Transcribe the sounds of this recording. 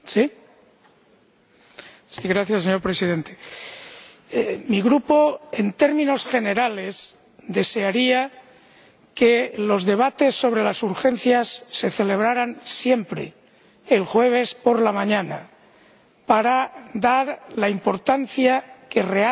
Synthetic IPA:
si | siɣɾaθjasːeɲo̞ɾpɾe̞sið̞e̞nt̪e | miɣɾupo̞ent̪e̞ɾmĩno̞sxe̞ne̞ɾale̞s | d̪e̞se̞aɾia | ke̞lo̞zðe̞β̞at̪e̞sːo̞β̞ɾe̞lasuɾxe̞nθjasːe̞θe̞le̞β̞ɾaɾansje̞mpɾḛː | lxwe̞β̞e̞spo̞ɾlamãɲãna | paɾad̪aɾlaimpo̞ɾt̪anθjake̞re̞a

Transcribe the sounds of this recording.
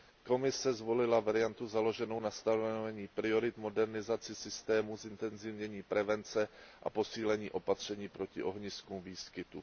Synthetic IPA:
ko̞mɪsɛzvo̞lɪlavaɾɪjant̪uzalo̞ʒɛno̞wnast̪anovɛɲiːpɾɪo̞ɾɪt̪mo̞dɛɾnɪzat͡sɪsɪst̪ɛːmuzɪnt̪ɛnzɪvɲɛɲiːpɾɛvɛnt͡sɛʔa̰po̞siːlɛɲiːʔo̞pat̪r̝̥ɛɲiːpɾo̞cɪʔo̞ɦɲɪskumviːskɪt̪u

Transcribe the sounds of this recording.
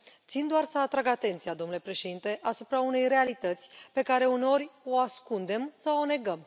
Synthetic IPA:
t̪sind̪oarsəat̪ɾaɡat̪e̞nt̪sijad̪o̞mnule̞pɾe̞ʃe̞d̪int̪e̞ʔasupɾaune̞jre̞alit̪ət̪sʲpe̞kaɾe̞une̞o̞ɾʲo̞askund̪e̞msəo̞ne̞ɡəm

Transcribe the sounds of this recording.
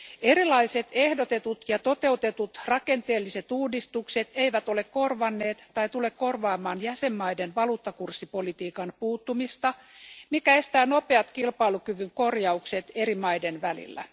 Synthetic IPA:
e̞ɾilɑise̞t̪ehdot̪e̞t̪ut̪jɑt̪o̞t̪e̞ut̪e̞t̪ut̪rɑke̞nt̪eːlːiset̪uːdist̪ukse̞t̪e̞iʋæt̪o̞lekko̞rʋɑnːe̞ːt̪ːɑjt̪ule̞kko̞rʋɑːmɑːnjæse̞mːɑjdenʋɑluːt̪ːɑkursːipo̞lit̪iːkɑnpuːt̪ːumist̪ɑmikæe̞st̪æːno̞peɑt̪kilpɑilukyʋyŋko̞rjɑukset̪e̞ɾimɑjdenʋælḭlːæ̰

